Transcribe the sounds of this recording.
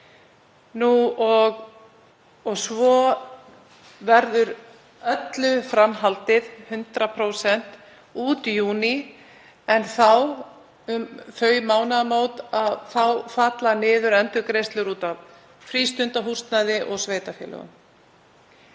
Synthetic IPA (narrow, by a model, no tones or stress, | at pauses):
nuɔɣ | ɔɣsvɔ | vɛɾðʏɾ | œt̪lʏfɾamɦalt̪ɪð̥hʏnt̪ɾapʰɾoːwsɛn̥t̪ | uːt̪juːni | ɛnθaw | ʏmfœːɥjmaːwnaðmoːwt̪aðθawfaːt̪lanɪːðʏɾɛnt̪ʏkɾejst̪lʏɾuːt̪av | fɾiːst̪ʏnt̪aɦur̥st̪naðɪʔɔɣsveːjt̪afjɛ̰lœ̰ɣʏ̰m